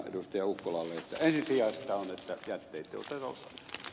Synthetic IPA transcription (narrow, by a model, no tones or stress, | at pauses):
ḛdust̪ɑjɑukːolɑːlːeet̪ːæensinsiɑst̪æonet̪ːæjæt̪ːeit̪ːˑḛo̰t̪et̪ɑ̰lsɑ̰n